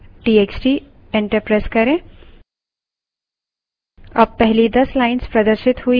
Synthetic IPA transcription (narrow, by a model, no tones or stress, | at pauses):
ʈiːeːkt͡ʃʈi | ẽɳʈəɾpɾaːskɐɾẽ | ɐ̰bpɛɦlid̪ɐslaːɪnspɾɐd̪əɾʃɪt̪ɦui